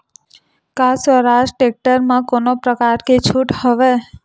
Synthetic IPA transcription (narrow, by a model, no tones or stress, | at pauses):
kãsʋəɾaʃʈek̚ʈəɾmãkonopɾəkaɾket͡ʃʰuʈhəʋe